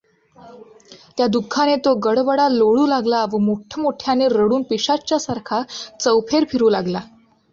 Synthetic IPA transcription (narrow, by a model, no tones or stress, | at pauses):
t̪jad̪ukʰːanet̪oɡəɽʋəɽaloɭuːlaɡlaʋəmoʈʰjəmoʈʰjaneɾəɽuːnpiɕat͡ɕjasaɾkʰat͡səwpʰeɾpʰiɾuːlaɡla